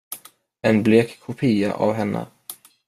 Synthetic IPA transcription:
ɛnbleːkʰːʊpʰiːa̰ʔavɦɛnːʔə̰

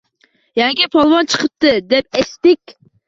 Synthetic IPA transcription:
jɛŋkʲipʰɑlˠwɑnt͡ʃʰə̥qʰəp̚t̪ɨd̪ɛp̚ɛst̪ɪkʲ

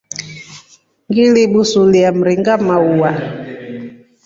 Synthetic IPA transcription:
ŋɡiliɓusuliam̩ɾiŋɡamauwa

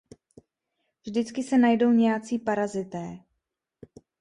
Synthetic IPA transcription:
vʒdɪt͡skɪsɛnajdo̞wɲɛjat͡siːpaɾazɪt̪ɛː

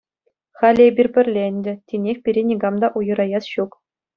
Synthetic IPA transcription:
χɑlʲebʲirʲpʲɘ̆rʲlʲenʲdʲɘ̆tʲinʲexʲpʲiɾʲenʲiɡɑmd̪ɑʔujɤ̆ɾɑjɑsɕuk

